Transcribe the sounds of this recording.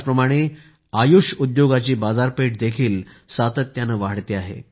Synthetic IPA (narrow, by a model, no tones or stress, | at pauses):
pɾəmaɽ̃e | ajuɕud̪joɡat͡ɕiːbad͡zaɾpeʈ̚d̪ekʰiːl | sat̪ət̪janəʋaɽt̪eaɦḛ